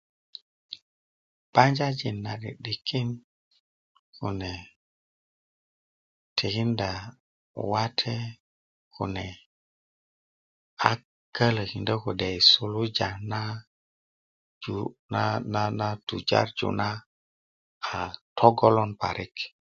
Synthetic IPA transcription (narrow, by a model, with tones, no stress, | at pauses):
b̥a˦nd͡ʒa˦d͡ʒi˨nːa˨ɗḭ˨ɗi˨kʰi˦n | kṵ˨ne˨ | tʰe˨hi˦nda˨ | wa˦tʰe˦ | kʰne˨ | a˨ | kə˦lhi˨ndə˦ku˨de˨jsu˨lu˦d͡ʒa˨na˦ | d͡ʒu˨na˦na˦na˦tu˨d͡ʒa̰˦ɾd͡ʒṵ˨na˦ | a˨tʰo˦ɡo˦lo˦npa̰˨ɾʔi˦k